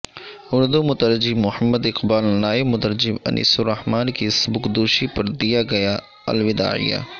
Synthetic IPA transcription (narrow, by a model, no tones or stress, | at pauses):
ʊɾd̪umʊt̪əɾd͡ʒimʊhəmːəd̪ɪqbaːlnaːɪbmʊt̪əɾd͡ʒɪmɐ̰nʔḭːsuɾɐhmaːnkisbʊkd̪uːʃipɐɾd̪ijaɡɐja | ɐ̰lʋɪd̪a̰ːʕḭja̰ː